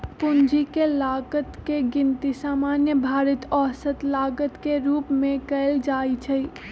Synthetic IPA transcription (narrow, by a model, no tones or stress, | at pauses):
pʊnd͡ʒikelaːɡət̪keɡɪ̃nt̪isaːmaːnjəbʱaːɾət̪ɔːsət̪laːɡət̪keɾuːpmẽkəɪld͡ʒaːit͡ʃʰəi